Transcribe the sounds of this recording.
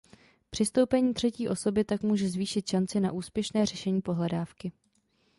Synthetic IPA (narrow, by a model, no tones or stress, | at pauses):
pr̥ɪst̪o̞wpɛɲiːt̪r̝̥ɛciːʔo̞so̞bɪt̪akmuːʒɛzviːʃɪt̪ʃant͡sɪnaʔuːspjɛʃnɛːr̝ɛʃɛɲiːpo̞ɦlɛdaːfkɪ